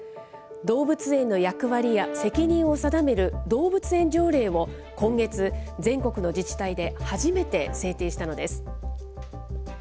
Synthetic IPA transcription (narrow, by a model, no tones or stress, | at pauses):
d̪o̞ːbɯ̟t͡sɨẽ̞nːo̞jakɯ̟βaɾʲijase̞kʲiɲ̟ĩɰ̃o̞sad̪ame̞ɾɯ̟d̪o̞ːbɯt͡sɨẽ̞ɲ̟d͡ʑo̞ːɾe̞ːβo̞ | kõ̞ŋɡe̞t͡sɨd͡zẽ̞ŋko̞kɯ̟no̞d͡ʑit͡ɕi̥t̪aid̪e̞haʑime̞t̪e̞se̞ːt̪e̞ːɕi̥t̪ano̞d̪e̞sɨ̥